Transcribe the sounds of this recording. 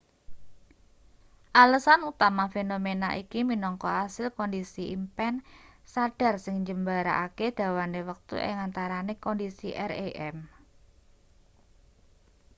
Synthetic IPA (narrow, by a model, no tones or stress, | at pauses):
ʔaləsanut̪amafenomenaʔikiminɔŋkɔhasɪlkɔndisiimpɛnsaɖ̥a̤rsɪŋɲd͡ʒəmbaɾa̰ʔaked̪̥a̤wanewək̚t̪ṵʔɛ̰ŋant̪aɾanekɔndisiʔɛreʔɛm